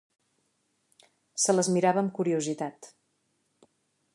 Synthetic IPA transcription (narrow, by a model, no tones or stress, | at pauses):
sələzmiɾaβəːmkuɾiuzit̪at̪